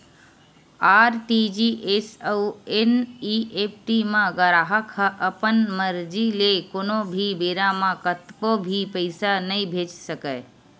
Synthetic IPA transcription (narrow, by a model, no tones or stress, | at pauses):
aɾʈid͡ʒiʔesəueniep̚ʰʈimə̃ɡəɾaɦəkhəʔəpənməɾd͡ʒilekonobʱibeɾamãkət̪pobʱipəɪsanəjbʱet͡ʃsəkə